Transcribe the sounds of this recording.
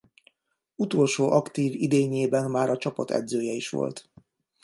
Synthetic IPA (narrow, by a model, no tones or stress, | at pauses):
ut̪o̞lʃoːʔɒkt̪iːvid̪eːɲeːbɛnmaːɾɒt͡ʃɒpɒt̪ʰɛ̰d̪zøːjɛiʃʋo̰lt̪